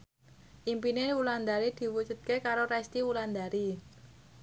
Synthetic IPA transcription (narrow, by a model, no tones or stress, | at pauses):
ʔimpinewuland̪aɾid̪̥i̤wud͡ʒṳt̪̚kekaɾoɾɛst̪iwuland̪aɾi